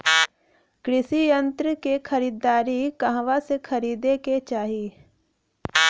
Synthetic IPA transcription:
kɾɪsijə̃nt̪ɾəkekʰəɾiːd̪ːaːɾikɐɦʋasekʰɐɾiːd̪eket͡ʃaːɦiː

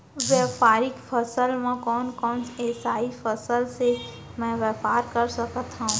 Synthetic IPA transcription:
ʋjɛːpaːɾɪkpʰəsəlmãkɔːnkɔːnseːsaːipʰəsəlse | mɛ̃ʋɛːpaːɾkəɾsəkət̪ɦãũ

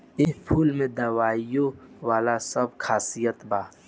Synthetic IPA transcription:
ɪɦpʰuːlmẽd̪awaːjowaːlasɐbkʰaːsijət̪baː

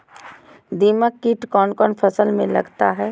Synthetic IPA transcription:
d̪iːməkːiʈkɔːnkɔːnfʰɐsəlmẽlɐɡt̪aɦɛː

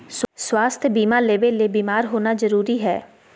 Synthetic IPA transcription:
sswaːst̪ʰjbiːmaːleːʋeleːbiːmaːɾɦoːnazəɾuːɾiɦɛː

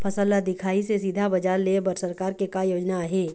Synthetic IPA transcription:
pʰɐsəlːad̪ɪkʰaːisesid̪ʱabɐd͡ʒaːɾleːbəɾsɐɾkaːɾkekajoːd͡ʒnaɦeː

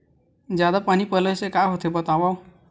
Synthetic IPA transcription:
d͡ʒjad̪apanipələjsekaɦot̪ʰebət̪abaw

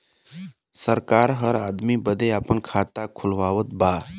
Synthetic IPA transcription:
səɾkaːɾɦəɾaːd̪mibəd̪eaːpənkʰaːt̪akʰʊlʋaːʋət̪̚baː

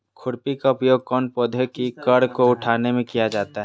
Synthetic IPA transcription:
kʰʊɽpikaʊpjoːɡ̚kɔːnpoːd̪ʱəkikɐɽkoʊʈʰaːnemẽkijad͡ʒaːt̪aɦɛ

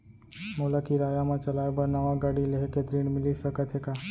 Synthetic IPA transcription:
molakiɾaːjamãt͡ʃəlaːebəɾnəʋaɡaɽileɦket̪ɾiːɳmɪlisəkət̪ʰɦeka

